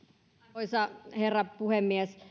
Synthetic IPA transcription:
isɑherːɑpuhemːies

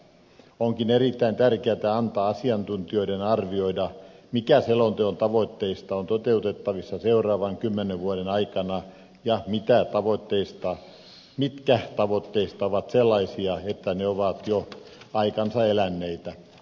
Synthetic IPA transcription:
oŋkinerit̪ːæint̪ærkeæt̪æɑnt̪ɑːɑsiɑnt̪unt̪ioidenɑrʋioidɑmikæselont̪eont̪ɑʋoit̪ːeist̪ɑont̪ot̪eut̪et̪ːɑʋisːɑseurˑɑːʋɑŋkymːeneʋʋuoɾenɑikɑnɑ | jɑmit̪æt̪ɑʋot̪ːeist̪ɑ | mit̪kæht̪ɑʋot̪ːeist̪ɑoʋɑt̪selːɑisiɑet̪ːæneoʋɑt̪joɑikɑnsɑelænːeit̪æ

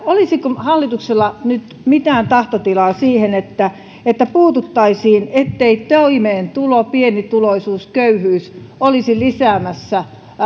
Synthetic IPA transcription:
olisikohɑlːit̪ukselːɑnyt̪ | mit̪æːnt̪ɑht̪ot̪ilɑːsiːhenet̪ːæ | et̪ːæpuːt̪ut̪ːɑisiːnet̪ːeit̪oimeːnt̪ulopienit̪uloisuːskøyhyːsolisilisæːmæsːæ

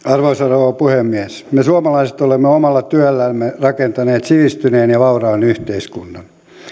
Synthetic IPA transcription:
ɑrʋoisɑrooːpuhemːiæs | mesuɑmɑlɑise̥t̪olemːeomɑlːɑt̪yælːæmːerɑkent̪ɑneːt̪siʋist̪yneːnjɑʋɑurɑːnyht̪eiskunːɑn

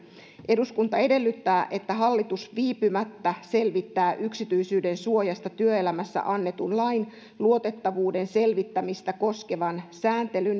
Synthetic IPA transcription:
ʔe̞duskunt̪ɑe̞de̞lːyt̪ːæːʔe̞t̪ːæɦɑlːit̪usʋiːpymæt̪ːæse̞lʋit̪ːæːʔyksit̪yisyːde̞nsuo̞jɑst̪ɑt̪yøe̞læmæsːæ̰ʔɑnːe̞t̪unlɑin | luo̞t̪e̞t̪ːɑʋuːde̞nse̞lʋit̪ːæmist̪æko̞ske̞ʋɑnsæːnt̪e̞lyn

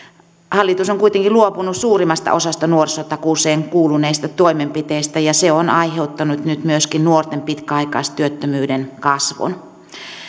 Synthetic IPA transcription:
hɑlːit̪usoŋkuit̪eŋkiluopunussuːrimːɑst̪ɑ̰ʔosɑst̪ɑnuorsot̪ɑkuseːŋkuːluneist̪ɑt̪oimempit̪eist̪æjɑseonʔɑiheut̪ːɑnut̪nyt̪myøskinnuort̪empit̪kæɑikɑ̰ːst̪yøt̪ːømyːdenkɑsʋo̰n

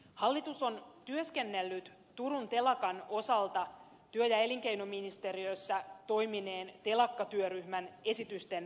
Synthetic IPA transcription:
hɑlːit̪uso̞nt̪yøske̞nːelːyt̪ | t̪uɾunt̪e̞lɑkɑno̞sɑlt̪ɑ | t̪yøjæe̞liŋk̟ejno̞minist̪e̞riø̞jsːæt̪o̞jmine̞ːnt̪e̞lɑkːɑt̪yøryhmæne̞sit̪yst̪e̞n

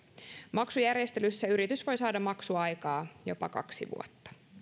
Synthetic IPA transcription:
mɑksujærjest̪elysːæyɾit̪ysʋo̞jsɑːdɑmɑksuɑjkɑːjo̰pɑ̰kɑ̰ksḭʋṵot̪ːɑ̥

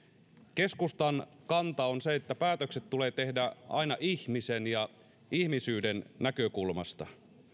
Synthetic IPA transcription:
ke̞skust̪ɑn | kɑnt̪ɑonseet̪ːæpæːt̪økset̪tːuleːt̪e̞hdæɑ̰inɑʔiçmisenjɑ | ihmisyːdenːækøkulmɑ̰st̪ɑ̰

